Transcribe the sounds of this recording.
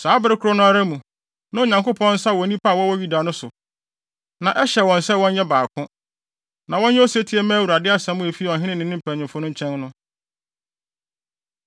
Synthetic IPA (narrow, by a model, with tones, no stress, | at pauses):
saː˨˦bɪ˦ɾɪ˦kʰʊ˦ɾɔ˦nʊ̃˦a˦ɾa˦mũ˨ | nã˦o˨ɲã˨ŋko˦pʰɔ̃˦n̩˦sa˦wɔ̃˨˦nĩ˦pʰa˦˨wɔ˦wɔ˦ɥi˦da˨nʊ̃˦sʊ˨ | nã˨ʔɛ˦ɕɛ˨wɔ̃˨nsɛ˦wɔ̃˦njɛ˦baː˨kʰʊ̃˦ | nã˨wɔ̃˦nɲɛ˦o˦sæ˦tʰi˦ɛ˦mæ̃ː˦wu˨ɾa˨dɪ˦a˦sɛ̃˨˦mʊ̃˦e˨fi˦wɔ̃˨ɦɪ̃˦nɪ̃˦nɪ̃˨nɪ̃˦m̩˦pʰæ̃˨nɪ̃˨mfʊ˦nʊ̃˦t͡ɕʰɛ̃˦nnʊ̃˦